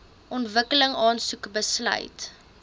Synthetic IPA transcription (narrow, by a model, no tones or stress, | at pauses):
ʔɔntvəkələŋɑːnsukbəslœ̰ɥt